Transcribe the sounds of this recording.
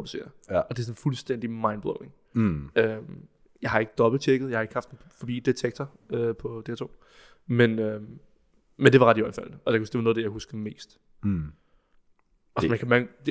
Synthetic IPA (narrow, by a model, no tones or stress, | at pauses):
pʰʁod̥use̝̰ːɐɒ̽d̥e̝s̬ɔ̽nfulsd̥en̰d̥imɑ̈ɪnbloʊe̝ŋ | øm | jɑ̈ɪhɑ̈e̝ɡ̥əd̥ɒ̽b̥l̩t͡ɕʰeɡ̥ð̞̩ˠjɑhɑe̝ɡ̥əhɑ̈fd̥enfɒ̽b̥ḭːd̥e̝t͡sʰeɡ̥t͡sʰɐ | øpʰɒ̽d̥iæɐt͡sʰo̝̰ː | menøː | end̥e̝ʋɑ̈ʁɑ̈d̥iɒɪfæl̰ɒ̽jakusd̥e̝ʋɑnoð̥ˠejɑhusɡ̥ð̩me̝̰ːsd̥ | ɒmænkʰæmæɡ